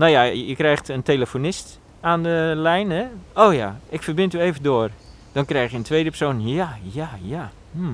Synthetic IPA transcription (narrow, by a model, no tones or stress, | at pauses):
noːjajəkrɛjxtənteləfonɪst | aːndəlɛjnəoːja̰ɪkfərbɪntyːeːvədoər | d̥ɔnkrɛjxjəəntʰʋeːdəpərsoːnjajaja | m̩